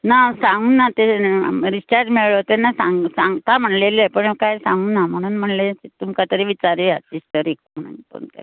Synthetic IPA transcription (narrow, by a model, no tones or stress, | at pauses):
nasãŋɡuːnːat̪eɾisʈaɾʈmeɭɭot̪enasaŋɡsãŋɡt̪am̤əɳleləpəɳkajsãŋɡuːnːam̤əɽ̃uːnm̤əɳleet̪umkat̪əɾiʋit͡ɕaɾiasisʈt̪əɾek̚m̤əɽ̃ṵːntpə̰ɳt̪a̰